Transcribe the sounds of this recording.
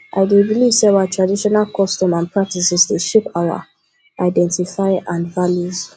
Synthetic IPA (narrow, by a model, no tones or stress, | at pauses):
ʔa̰ɪdebilivsɛwatɹadiʃɔnalkʰɔstɔ̃mãnpʰɹak̚tisɛsdeʃepawa̰ | aɪdɛ̃ntifaɪʔãnvaljuz